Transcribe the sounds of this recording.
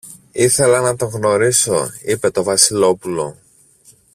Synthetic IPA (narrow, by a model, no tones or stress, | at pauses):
iθe̞lɐnɐt̪o̞ɣno̞ɾiso̞̰ipe̞t̪o̞vɐsilo̞pulo̞̰